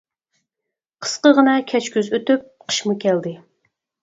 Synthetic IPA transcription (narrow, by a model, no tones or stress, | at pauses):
qʰə̥sqəʁənɑkʲʰɛt͡ʃkʲyzøt̪yp̚qʰə̥ʃmukʲʰæld̪ɪ